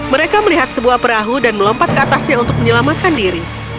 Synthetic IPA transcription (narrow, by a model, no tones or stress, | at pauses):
məɾekaməliɦat̪̚səbuahpəɾaɦudanməlɔmpat̪̚kəat̪asɲaunt̪ʊk̚məɲəlamat̪̚kandiɾi